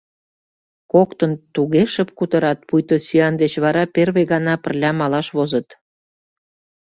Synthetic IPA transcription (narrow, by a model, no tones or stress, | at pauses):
kokt̪ə̆nt̪uɣeʃə̆p̚kut̪ə̆ɾɑt̪̚pujt̪osyɑnd̪et͡ɕβɑɾɑperβeɣɑnɑpə̆rlʲɑmɑlɑʃβozə̆t̪